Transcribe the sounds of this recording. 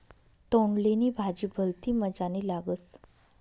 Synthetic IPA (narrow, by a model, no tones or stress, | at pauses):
t̪oɳlenibʱad͡ʑiːbʱəlt̪iːməd͡zaniːlaɡət͡s